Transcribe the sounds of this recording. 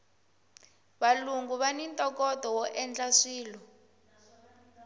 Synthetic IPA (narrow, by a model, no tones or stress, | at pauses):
βaluŋɡuβanintʼɔkɔtɔwɔʔɛnd͡ɮaʂiːlɔ